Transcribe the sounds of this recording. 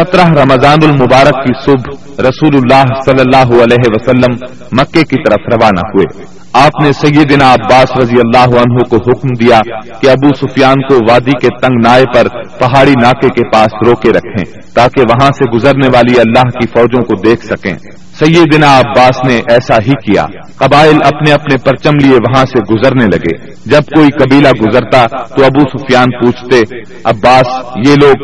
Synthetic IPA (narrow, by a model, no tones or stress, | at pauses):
sɐt̪ɾəɦɾɐməzaːnʊlmʊbaːɾəkːisʊbʱ | ɾɐsuːlʊlːaːɦsɐlːəlːaːɦuɐlɛːɦeʋɐsɐlːəmː | ɐkːekit̪ɐɾəfɾɐʋaːna̰ɦuḛː | aːpnesɐjːəd̪ɪnaɐbːaːsɾɐd̪ijɐlːaːɦuɐnɦõkoɦʊkmd̪ijakeɐbusʊfjaːnkoʋaːd̪iket̪ɐ̃ŋɡnaːepɐɾpɐɦaːɽinaːkekepaːsɾoːkeɾɐkʰḛ̃ː | t̪aːkeʋɐɦãseɡʊzəɾneʋaːliɐlːaːɦkifɔːd͡ʒõkod̪eːkʰsɐkḛ̃ː | sɐjed̪ɪnaɐbːaːsneʔɛːsaɦikija̰ː | qɐbaːɪlɐpneɐpnepɐɾt͡ʃəmlieʋɐɦãseɡʊzəɾnelɐɡḛː | d͡ʒɐb̚koːikɐbiːlaɡʊzəɾt̪at̪oɐbusʊfjaːnpuːt͡ʃʰt̪e | ɐbːaːsjeːloːɡ